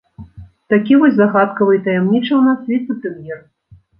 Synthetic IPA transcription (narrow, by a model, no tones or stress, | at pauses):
t̪akʲivɔsʲzaɣat̪kɐvɨit̪ɐjɛmnʲit͡ʂɐwnasvʲit̪sɐpɨmjɛr